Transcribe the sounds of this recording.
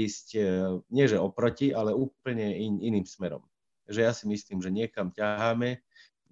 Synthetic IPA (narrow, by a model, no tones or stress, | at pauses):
iscɲɪɛʒɛɔpɾɔciʔalɛuːpl̩ɲɛiiniːmsmɛɾɔ̰m | ʒɛjasimisliːmʒɛɲɪɛkamcaɦaːmɛ